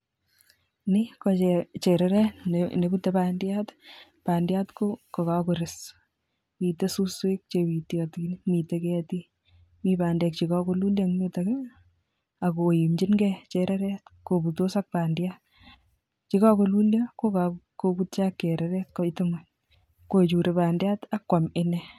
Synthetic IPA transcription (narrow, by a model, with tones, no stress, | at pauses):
ni˦kɔ˧t͡ʃet͡ʃe˨ɾɛɾɛ˦nne˨bu˦tːe˦pandjat | pa˨ndja˦tkokɔ˨ka˨koɾes | mi˨te˦su˦swe˦k̚t͡ʃewi˨tjɔti˦nmi˨te˦kɛti˦ | mipaː˨ndɛ˨k̚t͡ʃi˨kɔ˦ko˧lu˦lja˦ŋmi˦take | a˨ko˨ji˨md͡ʒi˦nɡɛt͡ʃeɾʔɛ˦ɾɛtko˨bu˨to˦sa˦k̚pa˨ndja˦t̚ | t͡ʃi˦ka˦ko˧lu˦ljako˦kakokutt͡ʃa˦kːe˨ɾɛ˨ɾɛ˦tkɔ˦tɪ˦ŋon | ko˨t͡ʃu˨ɾe˨paː˨ndja˦ta˦kːwa˨mɪ˦nɛ